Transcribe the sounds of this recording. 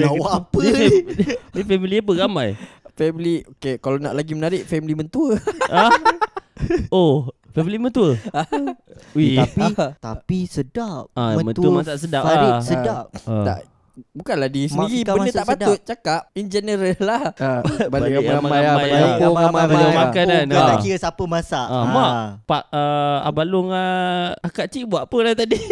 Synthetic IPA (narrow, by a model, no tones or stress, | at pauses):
awpə | nifɛmiliap̬əɣamajfɛmiliokekalana̰ʔlaɡimənaɾɪʔfɛmilimənt̪uəa | ofɛmilimənt̪uəa | wipt̪apisədap̚amə̃nt̪uəmasaʔsədapisədap̚əa̰ʔ | bukanladisədiɾiəndət̪aʔpat̪ʊt̪̚t͡ʃakap̚ind͡ʒenəɾəlahbabaaamamaamaajaoamaəəmakananaaiəsapəmasaʔʔamaʔpaʔəa̰balʊŋaakaʔt͡ʃiʔbuaʔpəlat̪adi